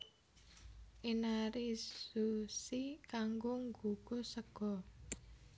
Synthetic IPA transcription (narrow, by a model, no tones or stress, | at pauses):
ʔinaɾisusikaŋɡoŋɡuɡ̥osəɡ̥ɔ̤